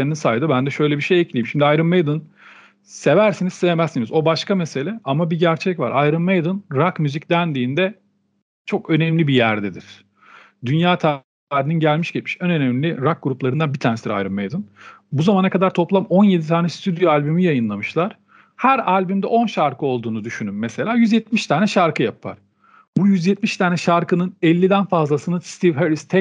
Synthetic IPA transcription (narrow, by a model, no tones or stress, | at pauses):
eininsaːjd̪ɯbænd̪ɛʃø̞jlʲɛbiʃejɛclʲijimʃimd̪iajɾɯmːejd̪ɯn | se̞væɾsinizseve̞mɛsːinizo̞baʃkame̞se̞lʲɛʔamabiɟæɾt͡ʃʰɛcva̰ɾʔajɾɯmːejd̪ɯnɾakmyzicd̪ænd̪iːnd̪ɛ | t͡ʃʰo̞kø̞nɛmlʲibijæɾd̪ɛd̪iɾ̥ | d̪ynjaːt̪ʰa | ɾininɟælʲmiʃɟit̪miʃønø̞nɛmlʲiɾak̚ɡuɾuplˠaɾɯnd̪anbit̪ʰænesiɾa̰jɾɯmːejd̪ɯn | buzamanakʰad̪aɾt̪ʰo̞plˠamo̞nje̞d̪it̪ʰaːnɛst̪ʰyd̪joalʲbymijajɯnlˠamɯʃlˠaɾ̥ | hæɾalʲbymd̪ɛʔo̞nʃaɾkɯo̞lˠd̪uːnud̪yʃynymːɛse̞lʲaːjyzjɛt̪̚miʃt̪ʰaːnɛʃaɾkɯjapʰa̰ɾ̥ | bujyzjɛt̪̚miʃt̪ʰaːnɛʃaɾkɯnɯnɛlʲːid̪ænfazlˠasɯnɯst̪ʰivheɾist̪ʰɛ